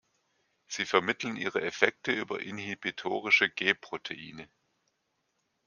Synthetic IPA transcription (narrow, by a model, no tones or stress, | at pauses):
z̥iːfɛɐmɪtl̩nʔḭːʁ̞əʔɛfɛk̚təʔyːbɐ̰ʔɪnhibitʰoːʁɪʃəɡ̥eːpʁ̥otʰeʔḭːnə